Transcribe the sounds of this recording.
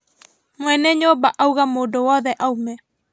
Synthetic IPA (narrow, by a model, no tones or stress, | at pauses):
mwɛnɛɲobaʔauɣamoːdowɔːðɛʔaumɛ